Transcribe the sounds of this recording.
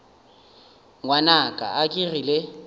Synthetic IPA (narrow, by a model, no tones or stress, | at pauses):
ŋwanakʼa̰akʼirile